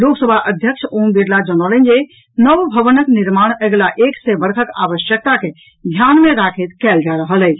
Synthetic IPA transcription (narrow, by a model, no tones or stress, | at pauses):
loksəbʱaʔəd̪ʱjəkʃombiɾlad͡ʒənɔlənd͡ʒe | nəʋbʱəʋənəknɪɾmaːɽ̃ɛɡlaʔeːksebəɾk̪ʰəka̰ʋəʃjək̚t̪ake | d̪ʱjanmẽɾakʰet̪kɛld͡ʒaɾəɦələi